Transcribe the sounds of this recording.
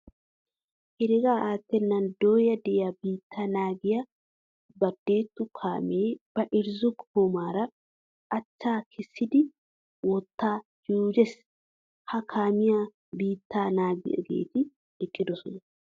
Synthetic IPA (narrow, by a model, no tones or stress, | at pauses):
hɪɾɪɡaːʔaːt̪ːɛnːɐnd̪oːjɐd̪ɛabiːt̪ːaːnaːɡɪjɐ | bɐd̪ːe̞ːt̪ːʊkʰa̰ːmeːb̥ɐʔɪɾzʊɡhomaːɾɐ | ʔɐt͡ʃːaːkʰɪsːɪd̪ɪ | wɔt̪ːaːd͡ʒuːd͡ʒɛs | hɐkʰaːmɪja | biːt̪ːaːnaːɡɪ̰ɡḛːt̪ɪ | ɛkʼːɪd̪ɔsɔnɐ